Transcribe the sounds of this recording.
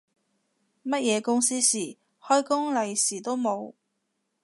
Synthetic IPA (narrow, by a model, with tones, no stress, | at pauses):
mɐ˥t̚jɛː˨˧kʊ˥ŋsiː˥siː˨˩ | hɔː˥jkʊ˥ŋlɐ˨jsiː˨˩t̪o˥wmo˨˧w